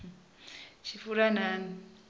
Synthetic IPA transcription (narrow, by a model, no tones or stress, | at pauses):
t͡ʃifuɾanani